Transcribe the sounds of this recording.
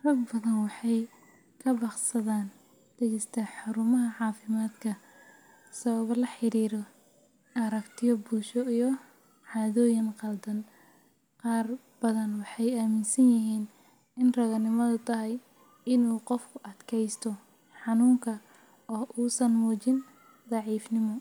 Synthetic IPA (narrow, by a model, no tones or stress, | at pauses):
rɐbbɐðɐnwɑħɑj | kʰɐbɑqsɐðaːn | d̪̥ɛɣɛst̪ʰɐħʊɾʊmɐɦɐʕɑːfɪmaːd̪kʰɐ | sɐβɐβɐlɐħɪɾiːɾɔ | ʔɐɾɐkt̪ʰɪjɔbuːʃɔijɔ | ʕɑːðɔːjɪnqɑld̪ɐn | qɑːr | b̥ɐðɐnwɑħɑjaːmɪnsɐnjɪɦiːn | ɪnrɐɣɐnɪmɐðʊt̪ʰɐɦɛj | ɪnuːqɔfkʰʊʔɐd̪kʰɛjst̪ʰɔ | ħɑnuːŋkʰɐ | ɔːʔuːsɐnmɔːt͡ʃɪn | d̪ɑʕiːfnɪmɔ